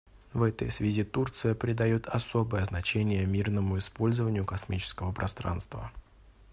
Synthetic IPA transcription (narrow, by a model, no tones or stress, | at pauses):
vɛt̪ə̰jsvʲɪzʲit̪urt̪sɨjəpɾʲɪd̪ɐjut̪ʰɐso̞bəjəznɐt͡ɕenʲɪjəmʲirnəmʊɪspo̞lʲzəvənʲɪjʊkɐsmʲit͡ɕɪ̥skəvəpɾʔɐst̪ɾa̰nst̪və̰